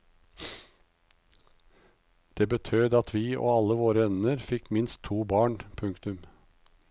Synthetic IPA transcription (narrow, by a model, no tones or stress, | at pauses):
d̪̥eːbət̪ʰøːd̪ɑt̪ʰʋiːʔo̰ːɑləʋoːɾəœnnəɾfɪkmɪnst̪ʰːuːbɑːɳpʰʉŋkt̪ʉm